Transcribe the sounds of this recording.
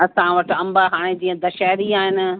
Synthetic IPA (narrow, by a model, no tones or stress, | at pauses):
ɐsãʋɐʈɐ̃mbaɦaːɽ̃ed͡ʑĩːə̃d̪ɐʃaːɾiaːɦɪnɪ̆